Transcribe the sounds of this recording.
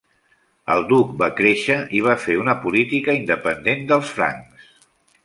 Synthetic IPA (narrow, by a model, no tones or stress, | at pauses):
ə̰lˠd̪uk̚bakɾeʃəʔiβ̞afeunəpulit̪ikəind̪əpənd̪end̪əlˠsfɾa̰ŋs